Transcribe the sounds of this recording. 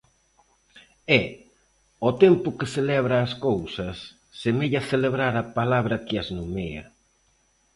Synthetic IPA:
ɛ | ot̪ɛmpʊkeθelɛβɾaːskowsɐsː | emeʎaθeleβɾaɾɐpalaβɾɐkɪɐznumeɐ̰

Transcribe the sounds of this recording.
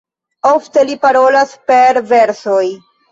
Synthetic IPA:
oft̪elipaɾolaspeɾveɾsoj

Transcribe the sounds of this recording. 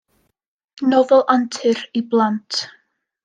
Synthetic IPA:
nɔvɔlˠʔantʰɨɾiblˠantʰ

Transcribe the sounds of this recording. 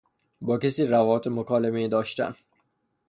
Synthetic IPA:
bɒːcesiːrævɒːbet̪ʰemokʰɒːlemeiːd̪ɒːʃt̪æ̰n

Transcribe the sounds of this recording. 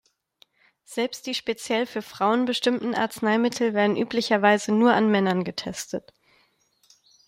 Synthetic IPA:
z̥ɛlpstd̥iːʃpet͡sjɛlfyːɐfʁ̥aʊənbəʃtɪmtn̩ʔa̰ɐt͡snaɪmɪtʰl̩veːɐdn̩ʔyːplɪçɐvaɪzənuːɐʔanmɛnɐnɡətʰɛstʰət

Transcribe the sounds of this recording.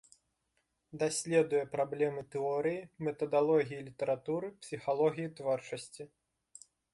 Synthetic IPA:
d̪asʲlʲɛd̪ujɛpɾablʲɛmɨt̪ɛɔɾɨjimɛt̪ɐd̪alˠɔɣʲijilʲit̪ɐɾat̪uɾɨpsʲixalˠɔɣʲijit̪vɔrt͡ʂɐsʲt͡sʲi

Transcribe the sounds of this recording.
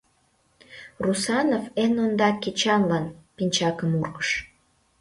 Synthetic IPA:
rusɑnofenond̪ɑkit͡ɕɑnlɑnpinʲt͡ɕɑkəmurɣə̥ʃ

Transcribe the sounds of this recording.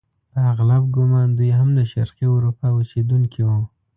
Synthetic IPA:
pəaɣlab̚ɡʊmɑnd̪ujɦamlaʃaɾqiʊɾupawʊsed̪uŋkʰiwu

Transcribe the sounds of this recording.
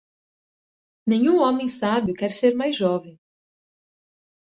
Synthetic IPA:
nẽɲũõmẽj̃sabjʊkɛɾseɾmajzʒɔvẽj̃

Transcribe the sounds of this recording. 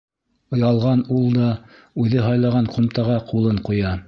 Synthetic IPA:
ŏjɑlˠʁɑnulˠd̪ɑ | ʉðɘɦɑjlˠɑʁɑɴqŭmt̪ɑʁɑqulˠɤɴqujɑ

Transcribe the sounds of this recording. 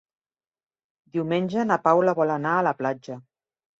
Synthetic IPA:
d̪iwmenʲʒənapawləβɔlənaələplad͡ʒə

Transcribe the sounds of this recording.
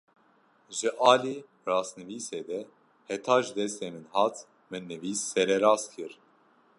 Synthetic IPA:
ʒɨʔɑːliː | rɑːsnɨviːseːd̪ɛ | hɛt̪ʰɑːʒd̪ɛst̪eːmɨnɦɑːt̪ | mɨnːɨviːsːɛɾɛɾɑːskʰɨɾ

